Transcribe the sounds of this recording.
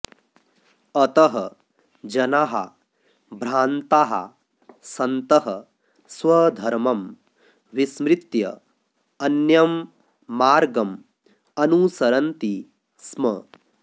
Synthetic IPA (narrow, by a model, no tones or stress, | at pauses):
ɐt̪ɐɦɐ | d͡ʒɐnaɦɐ̰ | bʱɾaːnt̪aːɦɐ̰ | sɐnt̪ɐɦɐ | sʋɐd̪ʱɐɾmɐm | ʋismɾit̪jɐ̰ | ɐnjɐmː | aːɾɡɐm | ɐnuːsɐɾɐnt̪i | smɐ